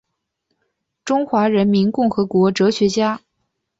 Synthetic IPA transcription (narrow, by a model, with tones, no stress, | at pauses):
ʈ͡ʂʊ˥ŋxwa˧˥ɻə˧˥nmi˧˥nkʊ˥˩ŋxɤ˧˥kwɔ˧˥ʈ͡ʂɤ˧˥ɕɥɛ˧˥t͡ɕja˥